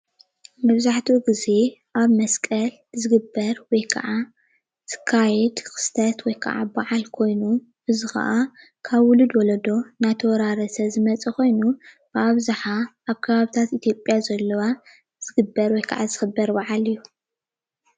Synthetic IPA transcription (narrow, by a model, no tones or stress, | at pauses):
mɐβzaħt̪ʰiuɡize̞ʔaβmɐskʼɐl | zɨɡɨbːɐɾwɔjkʰɐ̰ʕa | zɨ̥kʰːajɛd̪kɨ̥st̪ʰɐt̪wɔjkʰɐ̰ʔa̰baʕalkʰo̞jnu | ʔɨzɨxɐ̰ʔa | kʰaβwʊlɨd̪wɔlɐd̪o̞najt̪ʰɐwɔɾaɾɐsɐzɨmɐt͡sʼikʰo̞jnu | b̥ɨaβzaħaʔaβkʰɐβaβit̪ʰat̪it̪ʰjo̞pʼjazɐlːɐwa | z̥ɨɡɨbːɐɾwɔjkʰa̰ʕazɨxɨbːɐɾbaʕalijːu